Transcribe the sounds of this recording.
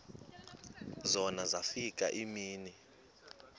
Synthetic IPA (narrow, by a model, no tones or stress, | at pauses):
zɔnazafik̬ʼaʔimiːni